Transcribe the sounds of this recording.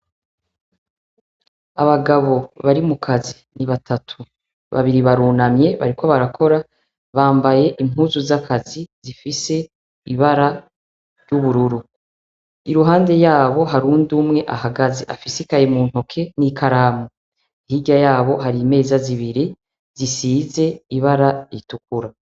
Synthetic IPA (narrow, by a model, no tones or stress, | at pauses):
aβaɡaβo̞βaɾimukʰazi | niβatʰatʰu | βa̰βiɾiβaɾuːnamɲe̞βa̰ɾiko̞βaɾakʰo̞ɾa | βaːmbaje̞ʔimuːzuzakʰaziz̥ifise̞ | iβaɾa | ɾɟuβuɾuɾu | iɾuɦaːnde̞jaːβo̞ɦaɾuːnduːmŋe̞ʔaɦaɡazḛʔa̰fisikajemuːn̥ho̞kʰe̞nikʰaɾaːmo | ihiɟajaːβo̞ɦaɾime̞ːzaziβiɾi | z̥isiːze̞iβaɾaɾituk̚uɾa